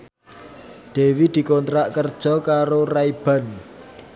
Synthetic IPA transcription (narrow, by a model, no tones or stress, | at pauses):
d̪̥e̤wid̪̥i̤kɔnt̪ɾaʔkərd̥ʒ̥ɔ̤kaɾoraib̥a̤n